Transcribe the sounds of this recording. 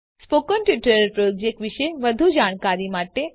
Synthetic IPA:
spokənʈjuʈəɾəɾpɾod͡ʒek̚ʈʋiʃəjʋəd̪ʱud͡ʒaːɽ̃kaɾimaʈe

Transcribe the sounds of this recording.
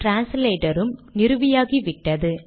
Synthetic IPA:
ʈɾaːnsleːʈɐɾɯmnɪɾɯʋɪjaːɣiʋɪʈːɐðɯ

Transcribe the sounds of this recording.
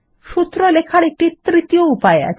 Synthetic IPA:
ʃut̪ːɾolekʰaɾek̚ʈit̪ɾit̪ijoupaea̰

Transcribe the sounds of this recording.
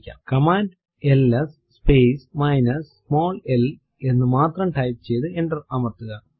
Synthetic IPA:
kʲːa̰ːkɐmaːnd | elːɐsːpeːsmɐjnɐssmo̞ːlel | e̞nːɨmaːt̪rɐmʈɐjp̚t͡ɕe̞jt̪ɨe̞ɳɖɐrɐmɐrt̪uɣɐ

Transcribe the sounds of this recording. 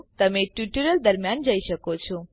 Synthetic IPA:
t̪əmeʈjuʈəɾəld̪əɾmjand͡ʒəiʃəkot͡ʃʰɔ

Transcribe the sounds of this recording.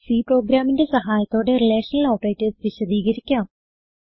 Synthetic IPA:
siːpro̞ːɡɾaːminde̞sɐɦaːjɐt̪ːo̞ːɽe̞rileːʂɐnɐɭoːʈːɐjtːɨsʋiɕɐd̪iːɣɐɾikʲːaːm

